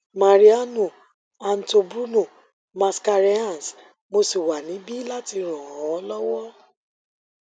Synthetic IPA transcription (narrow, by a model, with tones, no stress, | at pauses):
ma˨ɾi˨˦a˦nũ˨ | a˨n̩˨to˧bɾu˦nũ˦˨ | mã˨˧ska˧ɾi˦ã˦˨n˨s | mo˧si˨wa˨nĩ˨˦bi˦la˦ti˧ɾ̃ɔ̃˨ɔ̃˨˦ɔ˦lɔ˦wɔ˦